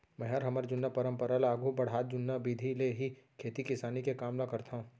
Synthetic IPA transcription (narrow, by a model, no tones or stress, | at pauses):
mɛ̃ɦɐɾɦɐməɾd͡ʒʊnːəpɐɾə̃mpəɾəlaːɡʱubɐɽ̤ɦaːt̪̚d͡ʒʊnːabiːd̪ʱileɦikʰeːt̪ikɪsaːnikekaːmnakɐɾt̪ʰã